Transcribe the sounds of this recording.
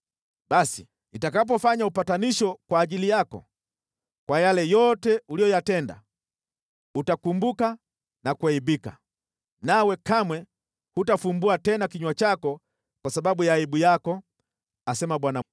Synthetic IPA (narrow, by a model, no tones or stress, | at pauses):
ɓasi | itakap̬ɔfaɲaupataniʃɔkwaːʄilijakɔ̰ | kwajalɛjɔtɛulijɔjatɛnda̰ | utakumbuka | nakuaiɓika̰ | nawɛkamwɛ | hutafumbuatɛnakiɲwat͡ʃakɔ | kwasaɓaɓujaːiɓujakɔ | asɛmaɓwana